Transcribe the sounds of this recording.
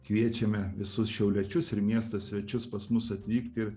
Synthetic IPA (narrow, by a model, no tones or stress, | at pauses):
kʋʲiɛt͡ʃʲɛmʲɛʋʲɪsʊsʃʲɛʊlʲɛt͡ʃʲʊsɪɾmʲiɛst̪ɐsʲʋʲɛt͡ʃʲʊspɐsmʊsɐt̪ʲʋʲiːkt̪ʲɪɾ